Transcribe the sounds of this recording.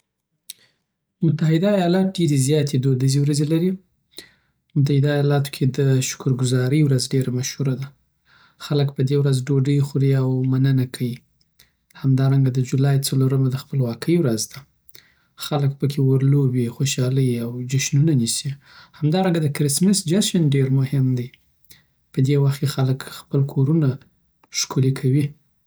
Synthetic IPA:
mʊt̪aɦɪd̪aːjɑlɑt̪̚ɖeɾezjɑt̪ed̪od̪əzewɾazelaɾi | mʊt̪̬ahɪd̪ajɑlɑt̪o̥kʰed̪əʃʊ̥kʊɾɡʊzɑɾəjwɾazɖeɾamaʃhuɾad̪a | xaləkpəd̪ewɾazɖoɖəjxuɾiawmanənakʰai | hamd̪ɑɾaŋɡad̪əd͡ʒulɑjt͡saloɾəmad̪əxpəlwɑkʰəjwɾazd̪a | xaləkpəkʰewəɾlobixoʃɑləjawd͡ʒaʃnunanisi | hamd̪ɑɾaŋɡad̪əkɾɪsmɪsd͡ʒaʃanɖeɾmʊhɪmd̪a | pəd̪ewaxt̪̚kexaləkxpəlkʰoɾuna | ʃkulikʰawi

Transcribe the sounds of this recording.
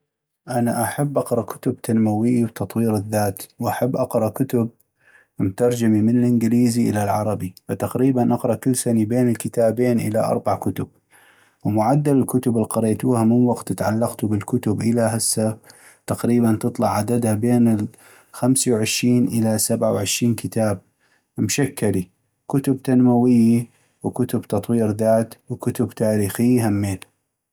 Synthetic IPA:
ʔanaʔaħabːʔɑqɾˤɑʔkʊ̥t̪ʊb̚t̪ʰanmawɪjːwt̪ɑt̪ˤwiːɾɪðːaːt̪wʔaħabːʔɑqɾˤɑkʊt̪ʊb̚ | mʊt̪ɑɾˤd͡ʒamimɪnɪlʔɪnɡliːziʔɪ̰lalʕɑɾˤɑbifat̪aqɾiːbanʔɑqɾˤɑʔkʊlːsanibeːnɪlkɪt̪aːbeːnʔɪ̰la̰ʔɑ̰ɾˤbaʕkʊt̪ʊb̚ | wmʊʕad̪ːalɪlkʊt̪ʊbɪlqɑɾeːt̪uːhamɪnwɑɡt̪ɪt̪ʕalːɑɡt̪ubɪlkʊt̪ʊbʔɪlaɦasːa | t̪aqɾiːbant̪ɨt̪ˤlɑʕʕad̪ad̪habeːnɪl | xamsawʕɪʃɾiːnʔɪlasabʕawʕɪʃɾiːnkɪt̪aːb̚ | mʃakːali | kʊt̪ʊb̚t̪anmawɪjːi | wkʊt̪ʊbt̪ɑt̪ˤwiːɾðaːt̪wkʊt̪ʊbt̪aːɾiːxɪjːhamːeːl

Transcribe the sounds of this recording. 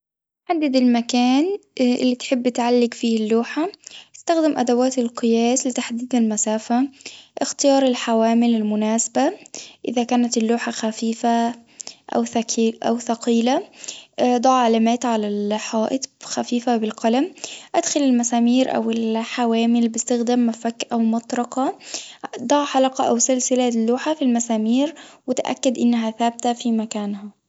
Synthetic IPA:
ħad̪ːɪd̪ɪlmakaːnʔɪ̰lːit̪ħɪbːɪt̪ʕalːɪɡfiːlːuːħaɪst̪axd̪ɪmʔad̪awaːt̪ɪlqɨjaːslɪt̪aħd̪iːd̪ɪlmasaːfaʔɪxt̪ɪjɑːɾˤɪlħawaːmɪlɪlmʊnaːsabaʔɪ̰ðakaːnat̪ɪlːuːħaxafiːfa | ʔa̰wθaʔa̰wθɑqiːla | d̪ˤɑʕʕalaːmæːt̪ʕalalħɑːʔɪt̪ˤxafiːfabɪlqɑlamʔad̪xalɪlmasaːmiːɾʔa̰wɪlħawaːmɪlbɪst̪axd̪aːmːafakːʔawmɑt̪ˤɾˤɑqɑ | d̪ˤɑʕħɑlɑqɑʔawsɪlsɪlalːuːħafilmasaːmiːɾwɪt̪ʔa̰kːad̪ʔɪnːaɦaθaːb̚t̪afimakaːnha

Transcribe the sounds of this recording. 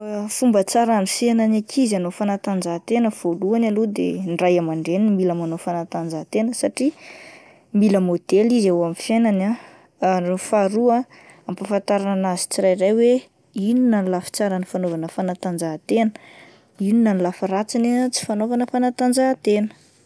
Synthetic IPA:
fumbət͡saɾanifenanakʰizanofanat̪and͡zat̪enəv̥oluanalod̪ḛnɖ͡ʐajamaɳɖ͡ʐenimiləmanofanat̪and͡zat̪enəsaʈ͡ʂi | miləmod̪̥elizawamifjenana | rofaɾuə | ampafant̪aɾananazi̥t͡siɾajrajwe | ininanlafi̥t͡saɾanifanovanəfanat̪and͡zat̪enə | ininanlafaɾat͡sinat͡si̥fanovanəfanat̪and͡zat̪enə̥

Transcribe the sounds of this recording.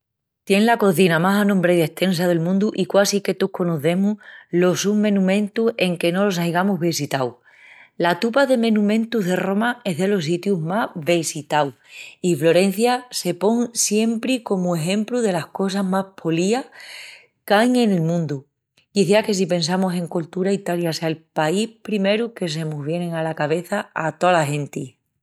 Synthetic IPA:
t̪je̞ŋlako̞θinamasanõmbɾejðe̞ht̪ʰe̞ns̬aðe̞lmũnd̪uʔikwasike̞t̪uko̞noθe̞mulo̞sumẽ̞nũmẽ̞nt̪use̞ŋke̞no̞lo̞sajɣamuɦβisit̪aw | lat̪upaðe̞mẽ̞nũmẽ̞nt̪uɦðe̞ro̞mae̞ɦðe̞lo̞s̬it̪juɦmaβe̞sit̪awiflo̞ɾe̞n̟θjase̞po̞ŋsje̞mpɾiko̞mue̞ɦe̞mpluðe̞lahko̞saɦmahpʰo̞lia | kajŋe̞ne̞lmũnd̪u | iθiake̞s̬ipe̞ns̬amose̞ŋkult̪uɾait̪aljaseaelpaihpɾime̞ɾuke̞s̬e̞muzβ̞je̞ne̞ŋalakaβ̞e̞θaat̪oalaɦẽ̞nt̪i

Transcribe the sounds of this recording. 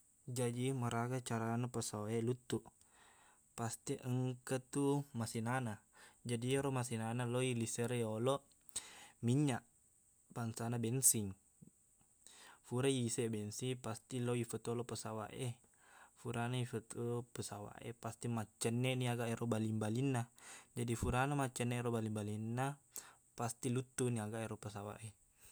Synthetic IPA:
d͡ʒadiməɾaɡat͡ʃaɾanapəsawaelut̪uʔ | past̪iʔəŋkət̪umasinanad͡ʒadieɾomasinanaloilisəɾjolɔʔ | miɲaʔ | baŋsanabɛnsiŋ | fuɾaisebɛnsipast̪iloifət̪olɔpəsawa̰ʔe | fuɾanaifət̪əpəsawa̰ʔḛpast̪imat͡ʃːənːeʔniaɡaʔeɾobalimbalinːad͡ʒadifuɾanamat͡ʃːəneɾobalimbalinːa | past̪ilut̪ːuniaɡaʔeɾopəsawa̰ʔe

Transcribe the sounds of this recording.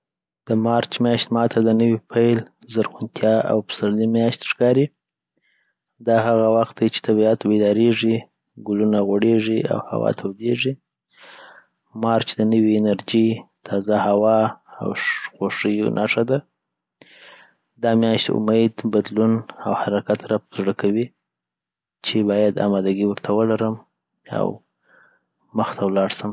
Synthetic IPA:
d̪̥əmɑɾt͡ʃmjɑʃt̪mɑt̪ʰad̪ənəwipʰajl | zaɾxʊnt̪ʰjɑa̰wpə̥saɾlimjɑʃt̪ʂkɑɾi | d̪ɑɦaɣawaxt̪̚d̪ajt͡ʃe̥t̪ʰabiat̪bed̪ɑɾeʐi | ɡʊlunaɣoɽeʐia̰wha̰wɑ̰t̪ʰawd̪eʐi | mɑɾt͡ʃd̪ənəwiːnaɾd͡ʒit̪ʰɑzahawɑa̰wxoʂəjonʔaʂad̪a | d̪ɑmjɑʃt̪eʊ̰mejd̪bad̪lunawhaɾakat̪ɾapzɽəkʰawi | t͡ʃebɑjad̪a̰mɑd̪aɡiwəɾt̪ʰawəlaɾəm | a̰w | məxt̪ʰawlɑɽsəm

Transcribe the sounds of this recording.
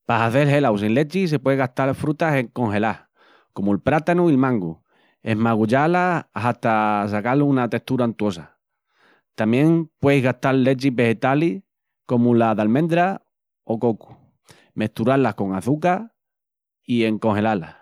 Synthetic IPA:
pasaθe̞lɦe̞lawsinle̞t͡ʃis̬e̞pweðɣaht̪aɾfɾut̪ase̞ŋko̞ŋɦe̞la | ko̞muelpɾat̪anuilmãŋɡu | e̞ɦmaɣuʎalaaht̪as̬akalunat̪e̞ht̪uɾant̪wo̞sa | t̪amjẽ̞ŋpwe̞jɦɣaht̪alːe̞t͡ʃiβe̞he̞t̪ali | ko̞mulaðalmẽ̞nd̪ɾa | o̞ko̞ku̥ | me̞ht̪uɾalahko̞ŋaθuka | ie̞ŋko̞ŋhe̞lala̰

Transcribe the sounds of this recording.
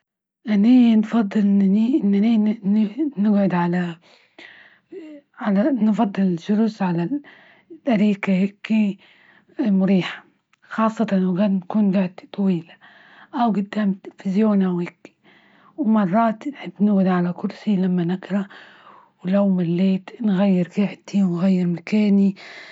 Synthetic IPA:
ʔanːiːnfɑd̪ˤːɨlʔɪnːaniʔɪnːaniːnnɪɡʕʊd̪ʕala | ʕalanfɑd̪ˤːɨlɪʃʊɾusʕala | tʔaɾiːkahɪkːi | mʊɾiːħḁ | xɑːsˤːɑt̪ˤɑnwɡaːd̪nakuːnɡaʕd̪t̪ˤɑwiːla | ʔawɡʊd̪ːaːmt̪ɪlfɪzjoːnʔawhɪkːi̥ | wmɑrˤːɑːt̪nħɪbːnɪɡʕʊd̪ʕalakʊɾsilamːanɪɡɾˤɑ | wlawmɪlːeːt̪nɣajːɪɾkɪʕt̪ʰiwnɣajːɪɾmakaːni

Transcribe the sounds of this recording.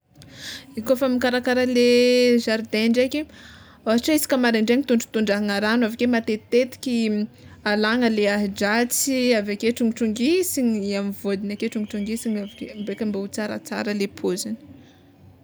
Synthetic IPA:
ikofamikaɾakaɾəleʒaɾd̪eɳɖ͡ʐeke | oɦaʈ͡ʂaisi̥kʲəmaɾeɳɖ͡ʐeŋit̪uɳɖ͡ʐu̥t̪uɳɖ͡ʐaɦaŋaɾanavakemat̪et̪et̪i̥kʲi | alaŋəleaɦd͡ʒat͡siavakeʈ͡ʂuŋiʈ͡ʂuŋɡisiɲamivod̪inakeʈ͡ʂuŋɡiʈ͡ʂuŋɡisiŋavikembekʲambeut͡saɾa̰t͡sa̰ɾəlepʰozini̥

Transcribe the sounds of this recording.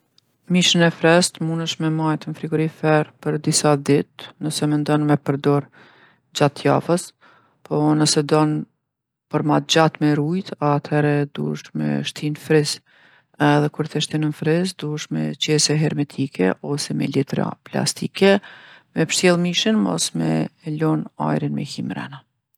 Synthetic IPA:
miʃənɛfɾɛst̪munəʃmɛmajt̪ənfɾiɡɔɾifɛɾpəɾd̪isad̪it̪nəsɛmɛnd̪ɔnmɛpəɾd̪ɔɾ | d͡ʑat̪ja̰fəs | pʰɔnəsɛd̪ɔn | pəɾmat̪̚d͡ʑat̪mɛɾujt̪at̪hɛɾɛd̪ṵəʃmɛ̰ʃt̪infɾis | ɛðɛkuɾθɛʃt̪inənfɾisd̪uəʃmɛ̰t͡ʃjɛsɛɦɛɾmɛt̪ʰikɛ̰ʔɔsɛmɛ̰lit̪ɾa̰pla̰st̪ikɛmɛpəɾsjɛlˠmiʃənmɔ̰smɛ̰lɔna̰jɾinmɛ̰himɾɛ̰na

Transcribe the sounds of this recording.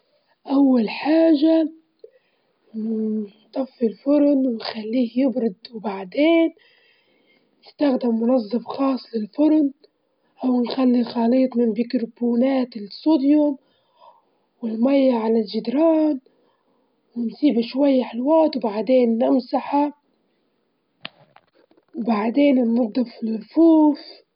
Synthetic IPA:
ʔawːalħaːʒa | t̪ˤɑfːilfʊɾnwɪnxalːiːhjɪbɾɪd̪wbaʕd̪eːn | jɪst̪axd̪ɪmːʊnɑzˤːɨfxɑːsˤːlɪlfʊɾn | ʔawnxalːixɑliːt̪ˤmɪnbikɾbuːnaːt̪ɪlsud̪jʊm | wɪlmajːaʕalalʒɪd̪ɾɑːn | wɪnsiːbʃwajːaħɪlwaːt̪wbaʕd̪eːnːɪmsaħa | wbaʕd̪eːnɪlmʊd̪ːafɪlɾfuːf

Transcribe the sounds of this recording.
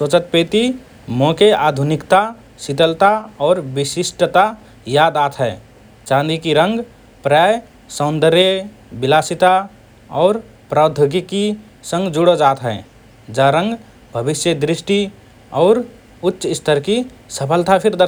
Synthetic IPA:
sot͡ʃət̪̚pet̪i | mokeʔad̪ʱunikt̪a | sit̪əlt̪aɔːɾbisisʈət̪a | jad̪aːt̪ʰɦɛɪ | t͡ʃãnd̪ikiɾə̃ŋɡ | pɾaj | sə̃ʊ̃nd̪əɾje | bilasit̪a | ɔːɾ | pɾaːd̪ʱəɡiki | sə̃ŋɡd͡ʒuɽod͡ʒaːt̪ɦɛ | d͡ʒaɾə̃ŋɡ | bʱəbisjəd̪ɾisʈi | ɔːɾ | utːʃɪst̪ʰəɾki | səpʰəlt̪apʰiɾd̪əɾ

